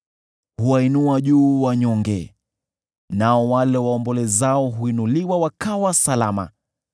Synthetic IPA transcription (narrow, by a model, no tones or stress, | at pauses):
huwainuaʄuːwaɲɔŋɡɛ̰ | naɔwalɛwaɔmbɔlɛzaɔɦuinuliwawakawasalama̰